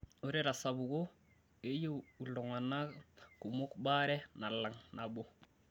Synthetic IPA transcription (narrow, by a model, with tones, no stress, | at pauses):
o˨˦ɾɛ˦ɾa˨sa˨bu˨ɡo˦ | e˦je˦u˨lɔ˨ŋa˨na˦ku˨mo˦kba˦ɾɛ˦na˨la˨ŋna˨bo˦